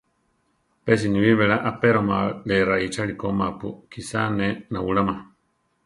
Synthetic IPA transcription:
pɛs̬iniβiβɛɺaʔapeɾomaleɾait͡ʃaɺikomapukisanenauɺama

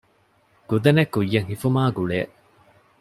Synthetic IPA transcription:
ɡ̥ud̪ɐnekːujːɐŋhifumaːɡuɭeːʔ

